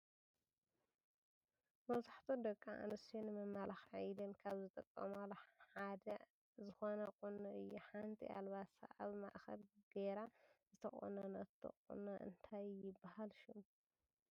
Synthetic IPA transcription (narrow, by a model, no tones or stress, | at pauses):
mɐβzaħt̪ʰod̪ɐkʼːaʔa̰nɨsonɨmɐmːalaxʕajd̪ɐnkʰaβzɨt̪ʼɐkʼːɐmalħad̪ɐ | zɨxonɐkʼunɐɨjːuħant̪ʰḭʔa̰lβat̪sa̰ʔa̰βma̰ʔxɐ̰lɡ̥eɾazɨt̪ʰɐχʼo̰nɐnɐt̪ʰɐ̰kʼṵnɐʔɨ̰nt̪ʰajjɪbːahalʃɪm